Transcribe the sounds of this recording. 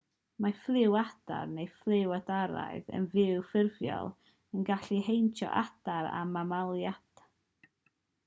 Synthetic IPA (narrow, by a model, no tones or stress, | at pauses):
maflˠɪwad̥a̰rnejflˠɪwadaɾa̰ɨðə̰nvɪwfɪrvjɔ̰lˠ | ənɡaɬiɦejntʰɔ̰ʔad̥aɾa̰mamalˠjat